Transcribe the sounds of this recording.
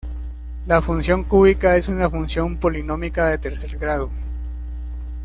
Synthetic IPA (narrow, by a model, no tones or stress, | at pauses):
lafunsjo̞ŋkuβikae̞sunafunsjo̞mpo̞lino̞mikaðe̞t̪e̞ɾse̞ɾɡɾaðo